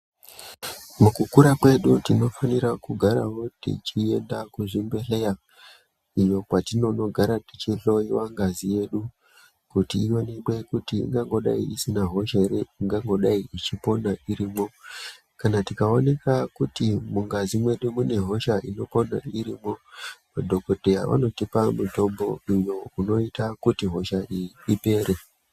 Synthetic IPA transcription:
mukukuɾakwe̞ɗutino̞faniɾakuɡʱaɾa̰wo̞tḭt͡ʃie̞ndakuʐimbe̞ɬe̞ja | ijo̞kwatino̞no̞ɡʱaɾatit͡ʃiɬo̞iwaŋɡazije̞ɗu | kutiionekwe̞kutḭːŋɡaŋɡo̞ɗa̰iʔisinaɦo̞ʃaɾeiŋɡaŋɡo̞ɗaiit͡ʃipo̞naʔiɾiːmo̞ | kanatikao̞ne̞kakutimuŋɡazimwe̞ɗumune̞ɦo̞ʃaʔino̞po̞na̰iɾiːmo̞madʱo̞kodʱeja̰ʋa̰no̞tipamuto̞mbo̞iɲo̞uno̞itakutiɦo̞ʃaʔiiipe̞ːɾe

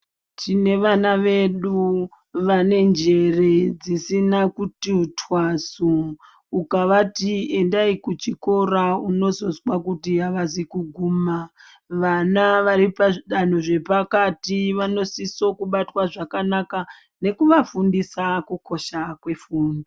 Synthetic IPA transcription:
tine̞ʋanaʋe̞ɗu | ʋane̞nd͡ʒe̞re̞d͡zisinakutiutʰwasuː | kaʋatie̞ndaikut͡ʃiko̞ɾauno̞zo̞zwakutiaʋazikuɡʱuːma | ʋanaʋaɾipaʐiɗan̤uʐe̞pakatiʋano̞siso̞kuɓatwaʐakanaka | ne̞kuʋafundisakuko̞ʃakwe̞fuːndi

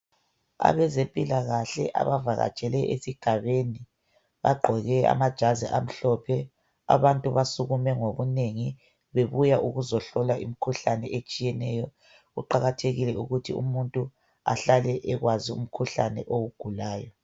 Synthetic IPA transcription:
a̰βɛzempʼilaɣaɬɛ̰ʔa̰βavaɣa̰̥t͡ʃʼɛlɛʔesiɡ̥ʱaβeni | βa̰ɡ͡ǃʱɔɣɛa̰mad̥ʒ̥ʱazḭʔam̩ɬɔpʰɛ | a̰βantʼuβasuɣumɛŋoβuneŋi | βeβujaʔuɣuzɔɬɔlaʔimikʰuɬanɛʔet͡ʃʼijɛnɛjɔ | ɣuǃaɣatʰeɣilɛuɣutʰḭṵmuntʼu | a̰ɬalɛʔɛɣwaziṵm̩kʰuɬanɛʔowuɡ̥ʱulaːjɔ

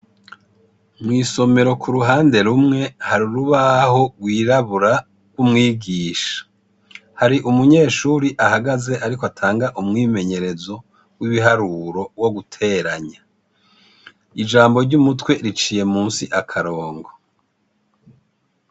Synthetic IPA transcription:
mŋiːso̞me̞ɾo̞kʰuɾuɦaːnde̞ɾumŋe̞haɾiɾuβaho̞ɡwiːɾaβuɾa | ɡwumŋiːɡiːʃḁ | haɾiʔumuɲe̞ːʃuːɾiʔahaɡaze̞ʔaɾikoatʰaːŋɡaʔumŋiːme̞ɲe̞ɾe̞zo̞ | wiβiɦaɾuɾo̞wo̞ɡutʰe̞ːɾaɲa | id͡ʒaːmbo̞ɾɟumutwe̞ɾit͡ʃiːje̞muːnsiʔakʰaɾo̞ːŋɡo

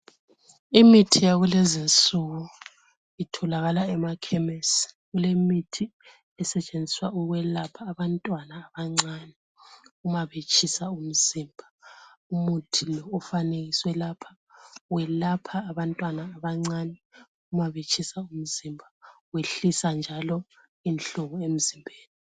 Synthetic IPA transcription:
imitʰijaɣulɛzint͡sʼuɣɔ | itʰɔlaɣalaɛmakʰɛmesi̥ɣulemitʰi | ɛsɛt͡ʃʼend͡zʱi̥swauɣwɛlapʰaːβantʼwanaːβaŋ͡ǀanɛ | umaβet͡ʃʰʼisaum̩z̥iːmbʱaumutʰilɔːfaneɣiswɛlapʰḁ | wɛlapʰaːβantʼwanaːβaŋ͡ǀaːnɛ | umaβet͡ʃʰʼisaum̩z̥imbʱaweɬisand͡ʒʱalɔ | inɬɔɣɔem̩zimbʱeːlɛ

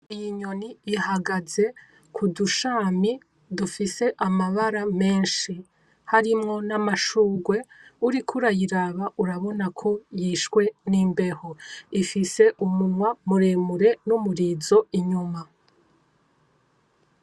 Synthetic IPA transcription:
ijiɲo̞niːhaɡaze̞ | kʰuduʃaːmi | dufise̞ʔamaβaɾame̞ːnʃi | haɾimŋo̞namaʃuːɡwe̞uɾikʰuɾajiɾaβaʔuɾaβo̞nakʰo̞jiːʃkwe̞niːmbe̞hoifise̞ʔumunwamuɾeːmuɾe̞numuɾizo̞iɲuma

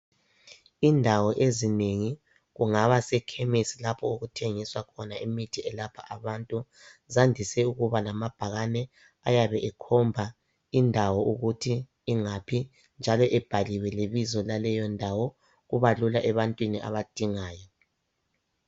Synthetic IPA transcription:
indʱawɔʔezineŋi | ɣuŋaβasɛkʰemisilapʰɔuɣutʰeŋiswakʰɔnaimitʰiɛlapʰa̰ʔaβantʼu | zandʱisɛuɣuβalamab̥ʱaɣanɛ | ajaβɛʔɛkʰɔmbʱa | indʱawɔʔuɣutʰiː | ŋapʰi | nd͡ʒʱalɔʔɛb̥ʱaliwɛleβizɔlalɛjɔndʱawɔ | ɣuβalulaʔɛβantʼwiniʔa̰βad̥ʱiŋaːjɔ

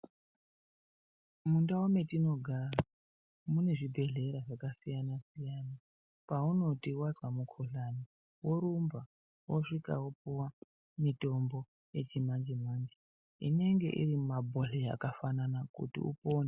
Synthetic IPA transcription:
mundaome̞tino̞ɡʱara | mune̞ʐibʱe̞ɮe̞ɾaʐakasijanasijana | pauno̞tiwazwamukʰoɬani | wo̞ɾumba | woʂika̰wopuwa | mito̞mbo | je̞t͡ʃimand͡ʒemand͡ʒe | ḭne̞ŋɡe̞̰ʔḭrimabʱoɬija̰kafananakṵtḭṵpo̞ːne

